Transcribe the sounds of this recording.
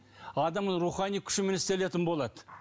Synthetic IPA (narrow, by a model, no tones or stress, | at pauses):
ɑd̪ɑmɾuχɑnijkʲʰʏ̥ʃɪmenɪst̪e̞le̞t̪ɪnbo̞lˠɑd̪ə